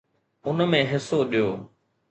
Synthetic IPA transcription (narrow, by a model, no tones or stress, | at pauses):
ʊnmẽːɦɪsoɗijoː